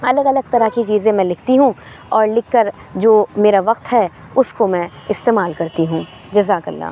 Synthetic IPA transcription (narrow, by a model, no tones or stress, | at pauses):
ɐləɡɐləɡ̚t̪ɐɾakit͡ʃiːzẽmɛ̃lɪk̚ʰt̪iɦũ | ɔːɾlɪkːəɾ | d͡ʒoːmeːɾaʋɐq̚t̪ɦɛː | ʊskomɛ̃ɪst̪eːmaːlkɐɾt̪iɦũː | d͡ʒɐzaːkɐ̰lːa̰ː